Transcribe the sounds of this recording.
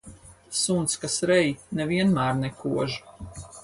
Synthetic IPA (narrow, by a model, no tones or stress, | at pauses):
sunt̪skasɾɛjnɛviɛnmæːɾnɛkuɔʒ